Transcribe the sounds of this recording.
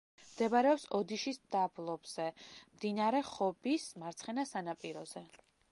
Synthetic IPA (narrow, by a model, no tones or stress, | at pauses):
md̪ɛbaɾɛɔpsɔd̪iʃisd̪ablˠɔbz̥ɛmd̪inaɾɛχɔbismaɾt̪sʰχɛnasanapʼiɾɔz̥ɛ